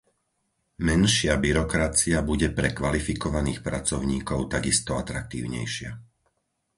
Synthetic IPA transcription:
mɛnʃɪabiɾɔkɾat͡siabuɟɛpɾɛkʋalifikɔʋaniːxpɾat͡sɔʊɲiːkɔʊt̪aɡist̪ɔat̪ɾak̚t̪ḭːʊɲɛ̰jʃɪa̰

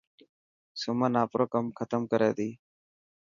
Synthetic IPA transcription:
sʊmənaːpɾoːkəmkʰət̪əmkəɾeːd̪iː

